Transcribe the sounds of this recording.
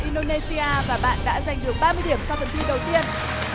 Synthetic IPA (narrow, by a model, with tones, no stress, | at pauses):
ʔi˧nɗo˧ne˧si˧ʔaː˧vaː˨˩ɓa̰ː˧˨nɗa̰ː˧˥za˨˩jŋ̟ɗɨ˨˩ək̚ɓaː˧mɨ˧əjɗi˧˩əmsa˧wfʰə˧˩nt̪i˧ɗə˨˩wt̪i˧ən